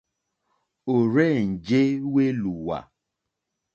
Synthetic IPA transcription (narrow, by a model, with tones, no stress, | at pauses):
o˨ɾe˦˨n̩˨d͡ʒe˦we˦lu˨wa̰˨